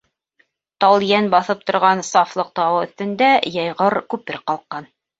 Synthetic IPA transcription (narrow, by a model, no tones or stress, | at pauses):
t̪ɑlˠjænbɑθɤp̚t̪ŏɾʁɑnsɑflˠɤq̚t̪ɑwɤɵ̆θt̪ɘ̆nd̪æjɑjʁɤɾkʉpɘ̆ɾqɑlˠqːɑn